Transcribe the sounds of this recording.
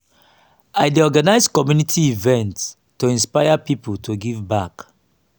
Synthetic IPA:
aɪdeɔɡanaɪskɔmjunitʰiivɛ̃nts | tːoĩnspaɪapipultʰoɡivbak

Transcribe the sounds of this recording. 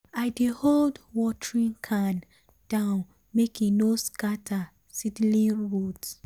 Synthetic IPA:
aɪdeholdwɔtɹĩnkʰan | d̥ãʊ̃n | mekinoskatʰa | sidlĩnɹut

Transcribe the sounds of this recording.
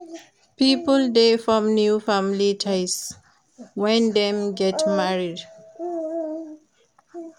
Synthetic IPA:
pipəldefɹɔ̃mnjufamilitʰaɪs | wɛ̃ndɛ̃mɡɛtmaɹid

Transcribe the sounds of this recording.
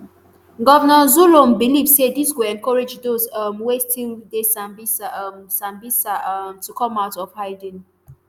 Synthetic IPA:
ɡɔvənɔzulõmbilivsediswuɛ̃nkɔɹed͡ʒdosmwestʰildesãmbissãmbisatukʰɔ̃maʊtɔfhaɪdə̃n

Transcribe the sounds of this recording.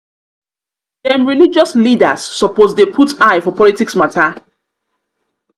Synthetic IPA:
dɛ̃mɹilid͡ʒɔslida̰sːɔpozdepʰutaɪfɔpʰɔlitiksmatʰa

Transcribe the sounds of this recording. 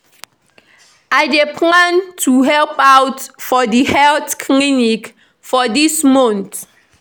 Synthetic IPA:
ajdepʰlãntʰuɦɛlpawtfɔdihɛlθkʰlinik | fɔdismɔ̃nt

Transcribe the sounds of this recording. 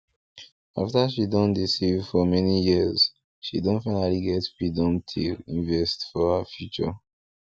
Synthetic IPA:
aftaʃidɔ̃ndisivfɔmɛnijiz | ʃidɔ̃nfaɪnaliɡɛtwidɔ̃ntʰḭĩnvɛstfɔhəfjut͡ʃɔ̰

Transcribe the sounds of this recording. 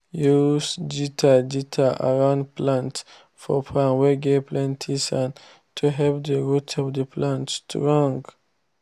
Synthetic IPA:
jusd͡ʒitʰad͡ʒitʰaʔa̰ɹãʊ̃ndplãnt | fɔpʰãnwɛɡepʰlɛ̃ntʰisãn | tʰuɦɛpdəɹutʰɔvdəpʰlãntstʰɹɔ̃ŋɡ

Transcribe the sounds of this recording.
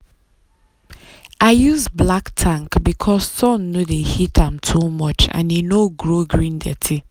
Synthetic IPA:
ʔaɪjuzblaktʰãŋkbikʰɔssɔ̃nːodehitʰãmtʰumɔt͡ʃã̰nenoɡɹoɡɹĩndɛ̰tʰi

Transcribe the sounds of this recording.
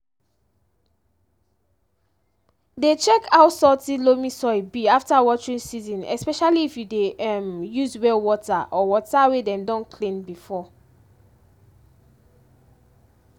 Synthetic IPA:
det͡ʃɛkʰawsɔtilomĩsɔibiaftawɔt͡ʃɹĩnsizɔ̃nɛ̰spɛʃaliːfjudeɛmjuzwɛlwɔtaʔɔwɔtawedɛ̃mdɔ̃nkʰlĩnbifɔ

